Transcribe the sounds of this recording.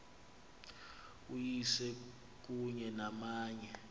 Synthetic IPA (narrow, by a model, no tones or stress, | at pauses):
ujisɛ | k̬ʼuɲɛnamaːɲɛ